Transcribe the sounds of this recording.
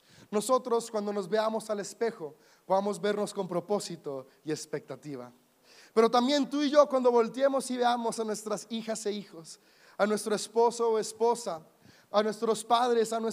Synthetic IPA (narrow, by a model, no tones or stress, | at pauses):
no̞so̞t̪ɾo̞skwand̪o̞no̞zβe̞amo̞sale̞spe̞xo̞ | poðamo̞zβe̞ɾno̞sko̞mpɾo̞po̞sit̪o̞ | ie̞spe̞k̚t̪at̪iβa̰ | pe̞ɾo̞t̪ambje̞nt̪uiʝokwand̪o̞βo̞lt̪je̞mo̞siβe̞amo̞sanwe̞st̪ɾasixase̞ixo̞s | anwest̪ɾo̞espo̞soespo̞sa | anwe̞st̪ɾo̞spaðɾe̞sanwes